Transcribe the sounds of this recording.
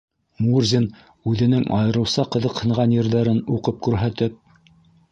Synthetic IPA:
murzʲin | ʉðɘ̆nɘŋɑ̰jɤ̆ɾɤ̆wsɑqɤ̆ðɤqhɤ̆ɴʁɑnjɘ̆ɾðæɾɘnuqɤp̚kʉɾɦæt̪ɘp̚

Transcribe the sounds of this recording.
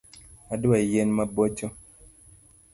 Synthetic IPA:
aduwajenmabot͡ʃo

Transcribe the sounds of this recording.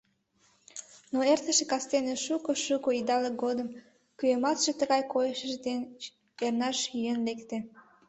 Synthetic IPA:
noert̪əʃekɑst̪eneʃukoʃukoid̪ɑleɡod̪əm | kyjemɑt̪ʃet̪əɣɑjkojəʃəʒd̪en | ernɑʃyjənlekt̪e

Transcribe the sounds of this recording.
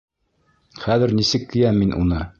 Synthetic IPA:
χæðɘ̆ɾnisɘkːɘ̆jæmːinʔṵnɤ

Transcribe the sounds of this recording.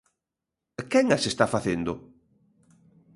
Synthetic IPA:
kɛŋasest̪afaθend̪ʊ

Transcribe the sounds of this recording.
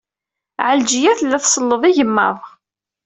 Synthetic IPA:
ʕəld͡ʒijæθəlːæθsˤəlːəðˤiʝəmːæ̰ðˤ

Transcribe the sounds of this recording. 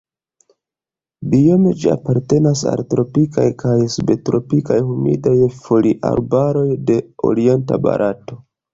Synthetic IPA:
bio̞med͡ʒia̰paɾte̞nasa̰ltɾo̞pikajkʰajsbe̞tɾo̞pikajhumḭdajfo̞liʔa̰ɾbaɾo̞jde̞o̞̰ɾie̞nta̰ba̰ɾʔato̞

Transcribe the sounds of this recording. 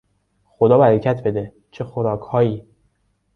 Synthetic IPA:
xod̪ɒːbæɾecʰæt̪ʰbe̞d̪e | t͡ʃʰe̞xoɾɒːkʰhɒːjiː

